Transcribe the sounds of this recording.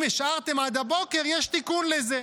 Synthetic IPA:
meʃʔaʁt̪e̞mad̪abo̞keʁjɛʃt̪ikunleze

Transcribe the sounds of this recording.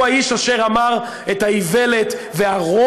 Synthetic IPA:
aiʃaʃe̞ʁamaʁ | et̪haive̞let̪ | veaʁo

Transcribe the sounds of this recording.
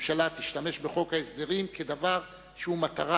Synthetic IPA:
mʃalat̪iʃt̪ame̞ʃbeχo̞kaesd̪eʁimke̞d̪avaʁ | ʃehumat̪aʁa

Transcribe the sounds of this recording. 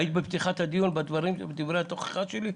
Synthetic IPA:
jit̪ibept̪iχat̪had̪ijunbad̪vaʁimbed̪ivʁejhat̪oχe̥χaʃeli

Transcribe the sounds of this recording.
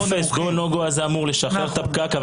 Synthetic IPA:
besɡonoɡoazeamuʁleʃaχeʁt̪ap̚kakav

